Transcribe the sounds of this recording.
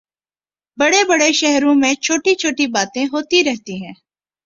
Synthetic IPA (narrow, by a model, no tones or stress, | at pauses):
bɐɽebɐɽeʃɛɦɾõmẽt͡ʃʰoːʈit͡ʃʰoːʈibaːt̪ẽɦoːt̪iɾɛɦt̪iɦɛ̃ː